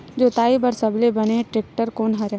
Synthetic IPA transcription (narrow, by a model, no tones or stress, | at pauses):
d͡ʒoːt̪aːibɐɾsɐblebɐneʈɾeːk̚ʈəɾkoːnɦaɾjaː